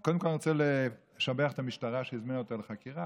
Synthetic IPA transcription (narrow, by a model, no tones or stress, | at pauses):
kod̪emkolnʁt͡sele | ʃabeaχet̪amiʃtaʁaʃeizminuotaleχakiʁa